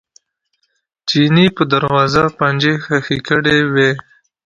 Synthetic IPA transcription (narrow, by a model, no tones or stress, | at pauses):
t͡ʃinipəd̪aɾwɑzapand͡ʒexaxikəɽewe